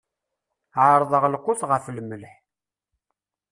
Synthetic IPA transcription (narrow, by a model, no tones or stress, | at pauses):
ʕəɾˤðˤəʁlqʊθʁəflməlħ